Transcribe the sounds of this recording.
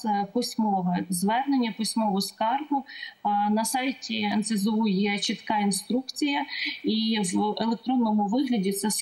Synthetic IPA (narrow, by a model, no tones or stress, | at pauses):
pɔsʲmɔʋɐzʋɛrnenʲːɐpʊsʲmɔʋʊskɑrbʊnɐsɑjtʲient̪sezujɛt͡ʃit̪kɑinst̪ɾukt͡sʲijɐiʋelˠek̚t̪ɾɔnːɔmʊʋɪɦlʲɐdʲit̪sɛs